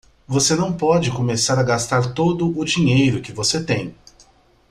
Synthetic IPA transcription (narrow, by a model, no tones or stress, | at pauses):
vosenɐ̃w̃pɔd͡ʒɪkomesaɾɐɡast̪aɾt̪od̪ʊʔʊd͡ʒiɲejɾʊkɪvoset̪ẽj̃